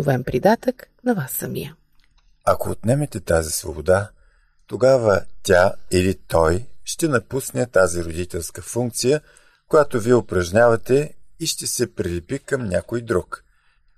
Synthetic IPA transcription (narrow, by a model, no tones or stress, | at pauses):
ʊvɛmpɾid̪at̪əknɐvasːɐmḭjə | ɐkoːt̪nɛmɛt̪ɛt̪azisvo̰bod̪a | t̪oɡavət̪ʲailit̪ɔjʃt̪ɛnɐpusnɛt̪aziɾod̪it̪ɛlˠskəfuŋk̚t̪sijə | kojat̪oviɛʊpɾɐʒnʲavɐt̪ɛiʃt̪ɛsɛpɾilʲɛpikɐmnʲakojd̪ɾuk